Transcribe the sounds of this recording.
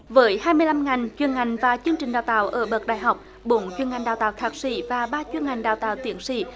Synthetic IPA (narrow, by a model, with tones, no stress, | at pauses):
vəː˨˦jhaː˧jmɨ˧əjla˧mŋa˨˩jŋ̟t͡ɕwi˧˨˩ənŋa˨˩jŋ̟vaː˨˩t͡ɕɨ˧əŋt͡ɕï˨˩ŋ̟ɗaː˨˩wt̪a̰ː˧˨wʔəː˧˩ɓə˨˩k̚ɗa̰ː˧˨jɦa˨˩wk͡p̚ | ɓo˨˦nt͡ɕwi˧˩ənŋa˨˩jŋɗaː˨˩wt̪a̰ː˧˨wxʰaː˨˩k̚sḭ˧˩vaː˨˩ɓaː˧t͡ɕwi˧ənŋa˨˩jŋ̟ɗaː˨˩wt̪a̰ː˧˨wt̪wi˨˦ənsḭ˧˥